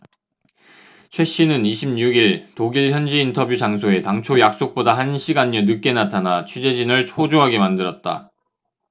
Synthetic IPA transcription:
t͡ɕʰwe̞ɕ͈inɯniɕʰimɲuɡiɭtoɡiɭçjʌnd͡ʑiːntʰʌbjud͡ʑaŋsʰoe̞taŋt͡ɕʰojak̚s͈ok̚p͈odaɦanɕʰiɡaɲːʌnɯk̚k͈e̞natʰanat͡ɕʰud͡ʑe̞d͡ʑinɯɭt͡ɕʰod͡ʑoɦaɡe̞mandɯɾʌt̚t͈a̰

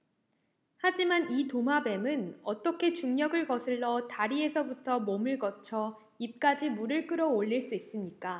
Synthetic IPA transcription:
had͡ʑimanitomabe̞mɯnʌt͈ʌkʰe̞t͡ɕuŋɲʌɡɯɭkʌsʰɯɭːʌtaɾie̞sʰʌbutʰʌmomɯɭkʌt͡ɕʰʌ | ip̚k͈ad͡ʑimuɾɯɭk͈ɯɾʌoʎːiɭs͈uis͈ɯmɲik͈a

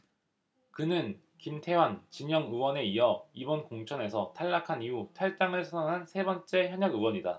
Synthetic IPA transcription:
kɯnɯn | kimtʰe̞want͡ɕiɲʌŋɯwʌne̞iʌibʌnkoŋt͡ɕʰʌne̞sʰʌtʰaɭːakʰaniutʰaɭt͈aŋɯɭsʰʌnʌŋɦansʰe̞bʌnt͡ɕ͈e̞çjʌɲʌɡɯwʌɲida̰

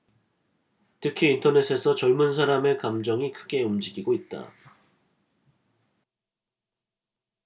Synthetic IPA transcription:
tʰɯkʰiːntʰʌne̞sʰe̞sʰʌt͡ɕʌɭmuns̬ʰaɾame̞kamd͡ʑʌŋikʰɯɡe̞umd͡ʑiɡiɡoit̚t͈a̰

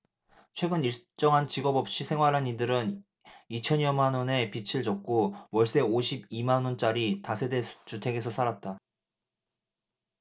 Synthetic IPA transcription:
t͡ɕʰwe̞ɡɯniɭt͡ɕ͈ʌŋɦant͡ɕiɡʌbʌp̚ɕ͈isʰe̞ŋwaɾɦanidɯɾɯn | it͡ɕʰʌnjʌmanʌne̞pit͡ɕʰiɭd͡ʑʌk̚k͈owʌɭs͈e̞oɕʰibimanont͡ɕ͈aɾitasʰede̞t͡ɕutʰe̞ɡe̞sʰʌsʰaɾat̚t͈a

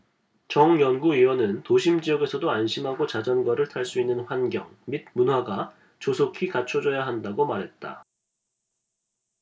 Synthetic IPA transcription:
t͡ɕʌŋjʌnɡuiwʌnɯntoɕʰimd͡ʑijʌɡe̞sʰʌdoanɕʰimɦaɡot͡ɕad͡ʑʌnɡʌɾɯɭtʰaɭs͈uinːɯnɸwanɡjʌ̰ŋmid̚munɦwaɡa | t͡ɕosʰokʰikat͡ɕʰod͡ʑʌjaɦandaɡomaɾɦe̞t̚t͈a̰

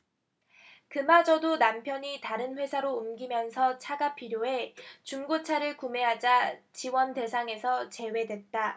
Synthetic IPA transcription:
kɯmad͡ʑʌdonampʰjʌɲitaɾɯnɸwe̞sʰaɾoumɡimjʌnsʰʌt͡ɕʰaɡapʰiɾjoe̞t͡ɕuŋɡot͡ɕʰaɾɯɭkume̞ɦad͡ʑat͡ɕiwʌnte̞sʰaŋe̞sʰʌt͡ɕe̞we̞dwe̞t̚t͈a

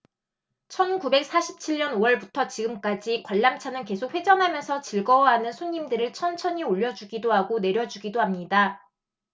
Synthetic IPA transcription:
t͡ɕʰʌnkube̞k̚s͈ʰaɕʰi̥p̚t͡ɕʰiɭɲʌnowʌɭbutʰʌt͡ɕiɡɯmk͈ad͡ʑikwaɭːamt͡ɕʰanɯnke̞sʰok̚ɸwe̞d͡ʑʌnɦamjʌnsʰʌt͡ɕiɭɡʌwɦanɯnsʰoɲːimdɯɾɯɭt͡ɕʰʌnt͡ɕʰʌɲioʎːʌd͡ʑuɡidoɦaɡone̞ɾjʌd͡ʑuɡidoɦamɲida

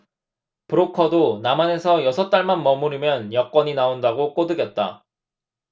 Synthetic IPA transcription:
pɯɾokʰʌdonamane̞sʰʌjʌsʰʌt͈aɭmanmʌmuɾimjʌnjʌk͈wʌɲinaondaɡok͈odɯɡjʌt̚t͈a̰

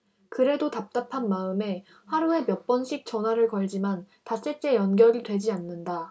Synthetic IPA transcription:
kɯɾe̞dotap̚t͈apʰanmaɯme̞ | haɾue̞mjʌt̚p͈ʌnɕʰik̚t͡ɕ͈ʌnɦwaɾɯɭkʌɭd͡ʑiman | tas͈eɭt͡ɕ͈e̞jʌnɡjʌɾidwe̞d͡ʑianːɯnda

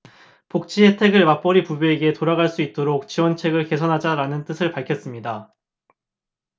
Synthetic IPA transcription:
pok̚t͡ɕ͈ʰiɦe̞tʰe̞ɡɯɭmap͈ʌɾipubjoeɡe̞toɾaɡaɭs͈uit̚t͈oɾok̚t͡ɕiwʌnt͡ɕʰe̞ɡɯɭke̞sʰʌnɦad͡ʑaɾanɯnt͈ɯsʰɯɭpaɭkʰjʌs͈ɯmɲida

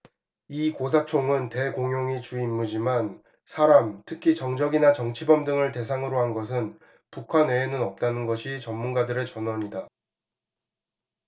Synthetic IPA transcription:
ikos̬ʰat͡ɕʰoŋɯnte̞koŋjoŋit͡ɕuimːud͡ʑiman | sʰaɾamtʰɯkʰit͡ɕʌŋd͡ʑʌɡinat͡ɕʌŋt͡ɕʰibʌmdɯŋɯɭte̞sʰaŋɯɾoɦanɡʌs̬ʰɯn | pukʰaneːnɯnʌp̚t͈anɯnɡʌɕʰit͡ɕʌmːunɡadɯɾe̞t͡ɕʌnwʌɲida

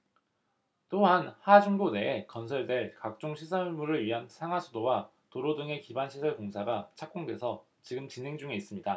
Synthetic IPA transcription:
t͈oɦanhad͡ʑuŋbone̞ːkʌnsʰʌɭde̞ɭkak̚t͡ɕ͈oŋɕʰisʰamuɾɯɭɥiɦansʰaŋɦwasʰudowa | toɾodɯŋe̞kibanɕʰisʰʌɭkoŋsʰaɡat͡ɕʰak̚k͈oŋde̞sʰʌ | t͡ɕiɡɯmt͡ɕinɦe̞ŋd͡ʑuŋeis͈ɯmɲida

